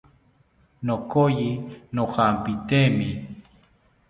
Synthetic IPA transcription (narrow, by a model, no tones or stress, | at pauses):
nokojinohampit̪emi